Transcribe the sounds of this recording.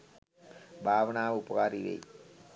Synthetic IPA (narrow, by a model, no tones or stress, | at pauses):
bʱaːʋɐnaːʋupɐkaːɾiʋḛj